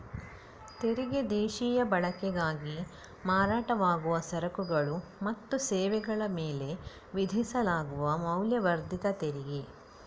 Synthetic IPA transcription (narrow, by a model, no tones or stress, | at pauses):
t̪eɾiɡed̪eːʃiːjɐbɐɭɐkɛɡaːɡi | maːɾaːʈɐʋaːɡuʋɐsɐɾɐkuɡɐɭumɐt̪ːusɛːʋɛɡɐɭɐmeːle̞ | ʋid̪ʱisɐlaːɡuʋɐmɐwljɐʋɐɾd̪ʱit̪ɐt̪eɾiɡe